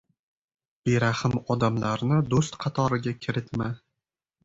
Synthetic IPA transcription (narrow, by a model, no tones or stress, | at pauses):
b̥eɾahɪmɒd̪amlaɾnɪd̪ost̪qʰɑt̪ʰɒɾɪɡʲakʲʰɪɾɪt̪ma